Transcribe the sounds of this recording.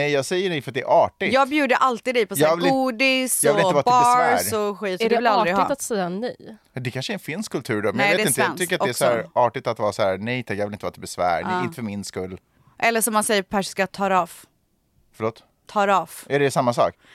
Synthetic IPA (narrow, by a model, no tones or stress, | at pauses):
nɛjjɑːɡsɛjːəɖɛjfɾat̪d̪ɛ̰ɾʔɑːʈɪjɑːɡbjʉːd̪əʔalt̪iːd̪ɛjpʰɔsjlɡ̪uːd̪ɪsjɑvɪlɪnəɑːtbɑɾsɾɔɧiːt̪sɔd̪ɛvljalɾɡhɪ̰t̪at̪sɛjːanyjjɑd̪ɛkʰanʂəɛnfɪnskʰɵlt̪ʰʉ̟ːɾɖɔmɛnjɛːt̪ɛɪnt̪əjnt̪ʏkkːɾat̪ɔɛsɔhæɾʔɑːʈɪt̪at̪vɑːɾsɔæɾnɛjt̪ʰakjɑːvɪlɪnt̪əvɑːt̪ʰɛbɛsvæ̰ːɾɛɪnt̪əfœmɪnskɵlː | ʔɛlːəʂɔmːansɛjːəɾpʰæʂskajat̪ʰɑːɾɑːf | fœɭoːt̪ | t̪ʰɑːɾɑfɛɖɛsamːasɑ̰ːk